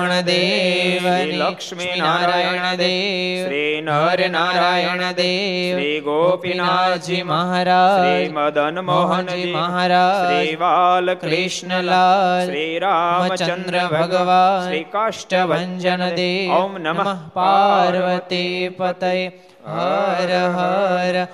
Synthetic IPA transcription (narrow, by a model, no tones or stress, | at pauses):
ɐɳɐd̪eːʋɐn | inaːɾaːjɐɳɐd̪eːʋnɐɾnaːɾɾaːjɐɳɐd̪eːiɡopinnad͡ʒimɐɦaːɾaːd͡ʒd̪nmoɦɐimɐɦaːɾaːid͡ʒʋalkɾiʂɳɐlaːliɾamɐt͡ʃɐnd̪ɾɐbʱɐɡɐʋaːnʂʈɐʋɐɲd͡ʒɐnɐd̪eːnnmɐpaːɾʋɐt̪ipɐt̪ɐj | ɦɐɾɐɦɐɾɐ